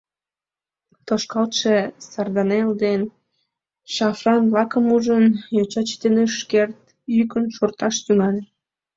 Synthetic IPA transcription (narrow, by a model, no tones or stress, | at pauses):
t̪oʃkɑlt̪ʃesɑrd̪ɑneld̪en | ʃɑfrɑnblɑkəmuʒənjɑt͡ɕɑt͡ɕt̪enøʃkert̪̚ | jykənʃort̪ɑʃt̪yŋɑlʲe